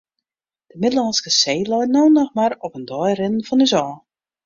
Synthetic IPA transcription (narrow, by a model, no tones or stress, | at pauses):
d̥əmɪdəlˠɑnskəseːlɔjtnoːnɔxmaɾɔpəndɔjrɪdən̩fɔnyzɔː